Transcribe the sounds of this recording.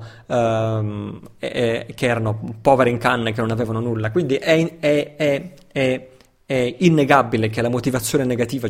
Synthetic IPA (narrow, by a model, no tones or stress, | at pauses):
keɛːɾanopɔːveɾeiŋkanːek̟enːonavɛːvanonulːakwind̪iʔɛɛɛ | ɛ | ɛinːeɡabilek̟elamot̪ivat̪sːjoːneneɡat̪iːva